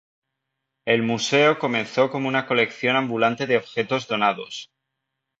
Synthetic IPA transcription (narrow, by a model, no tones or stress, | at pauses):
e̞lmuse̞oko̞mẽ̞nθo̞ko̞mounako̞le̞kθjo̞nãmbulant̪e̞ðeoβxe̞t̪o̞zðo̞nað̞o̞̰s